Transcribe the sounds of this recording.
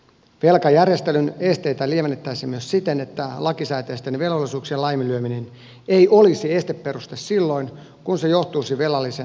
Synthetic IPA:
ʋe̞lkɑjærjest̪elyne̞st̪e̞jt̪ælieʋenːet̪ːæisemyøssit̪enet̪ːælɑkisæːt̪eːst̪enʋe̞lʋolːˑisuːksiɑlɑjmilyøminen | eiʔolisie̞st̪epːeɾust̪essilːo̞in | kunsejo̞ht̪uːsiʋe̞lɑlːise

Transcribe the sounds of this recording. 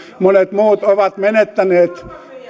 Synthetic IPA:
monet̪muːt̪oʋɑt̪menet̪ːæneːt̪

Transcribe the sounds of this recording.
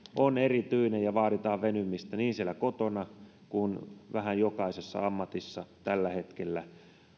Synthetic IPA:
onerit̪yinejjɑʋɑːɾit̪ɑːʋʋenymːist̪æniːnsielːækot̪onɑ | kunʋæhæjjokɑisesːɑ̰ɑmːɑt̪isːɑt̪ælːæhet̪kelːæ

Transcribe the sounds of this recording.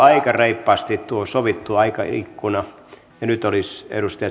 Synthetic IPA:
ɑikɑreipːɑːst̪it̪t̪uosoʋit̪ːuɑikɑ̰ḭkːunɑ | jɑnyt̪olisḛɾust̪ɑjɑ

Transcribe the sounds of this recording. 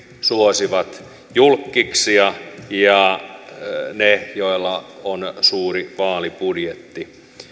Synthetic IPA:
suosiʋɑt̪ | julkːiksiɑjɑ | nejoilːɑonsuːriʋɑːlipudjet̪ːi

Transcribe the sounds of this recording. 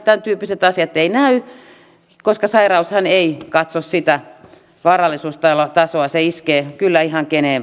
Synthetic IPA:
t̪ænt̪yːpːiset̪ɑsiɑt̪einæy | koskɑsɑirɑushɑneikɑt̪sossit̪æ | ʋɑːrɑlːˑisuːst̪ɑlot̪ɑsoɑseiskeːkylːæihɑŋkeneˑ

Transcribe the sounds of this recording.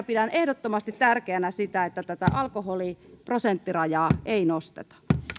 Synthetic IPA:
pidænʔehdot̪ːomɑst̪it̪t̪ærkeænæsit̪æet̪ːæt̪æt̪æʔɑlkoholiprosent̪ːirɑjɑːʔeinost̪ḛt̪ɑ̥

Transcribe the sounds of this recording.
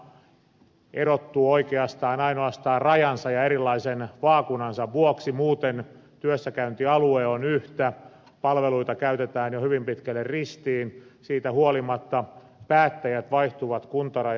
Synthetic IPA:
eɾot̪ːuoikeɑst̪ɑːnɑinoɑst̪ɑːrrɑjɑnsɑjɑeɾilːˑɑisenʋɑːkunɑnsɑʋʋuoksimuːt̪en | t̪yøsːækæynt̪iɑlueonyht̪æ | pɑlʋeluit̪ɑkæyt̪et̪æːnjohyʋimpit̪kælːerrist̪iːnsiːt̪æhuolimɑt̪ːɑ | pæːt̪ːæjæt̪ʋɑiht̪uʋɑt̪kunt̪ɑrɑj

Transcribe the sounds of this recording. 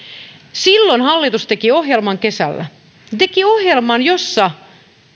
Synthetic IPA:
silːonhɑlːit̪ust̪e̞kio̞ɦjelmɑŋke̞sæ̰lːæ̰ | t̪ekiohjelmɑnjosːɑ

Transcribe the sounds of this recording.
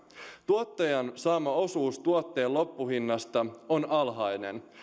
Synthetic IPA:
t̪uot̪ːɑjɑnsɑːmɑo̞suːst̪uot̪ːe̞ːlo̞pːuhinːɑst̪ɑonɑlɦɑjne̞̰n

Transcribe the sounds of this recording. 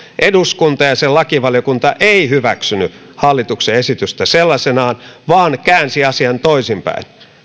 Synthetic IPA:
ʔeduskunt̪ɑjɑselɑkiʋɑljokunt̪ɑʔeihyʋæksyny̰ | hɑlːit̪ukseesit̪yst̪æselːɑsenɑːnʋɑːnkæːnsiɑsiɑnt̪oisimpæ̰in

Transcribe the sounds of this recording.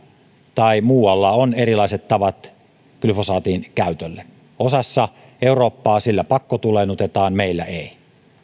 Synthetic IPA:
t̪ɑimuːwɑlːɑonerilɑˑiset̪t̪ɑʋɑt̪ | kylfosɑːt̪iːnkæˑyt̪ølːe | osɑsːɑ | euroːpːɑːsilːæpɑkːot̪ulenut̪et̪ɑːnmeˑilːæeˑi

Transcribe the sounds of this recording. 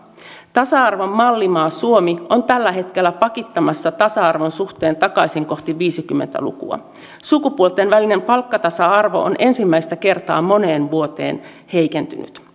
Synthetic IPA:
t̪ɑsɑɑrʋomːɑlːimɑːsuomio̞nt̪ælːæɦe̞t̪ke̞lːæpɑkit̪ːɑmɑsːɑt̪ɑsɑɑrʋonsuxt̪e̞ːnt̪ɑkɑjsiŋko̞ht̪iʋiːsik̟ymːḛnt̪æ̰lṵkṵɑ̰ | sukupuolt̪enʋæline̞mpɑlkːɑt̪ɑsɑɑrʋo̞̰ʔonʔe̞nsimːæist̪æke̞rt̪ɑːmo̞ne̞ːnʋuo̞t̪e̞̰ːn | he̞jkent̪y̰ny̰t̪

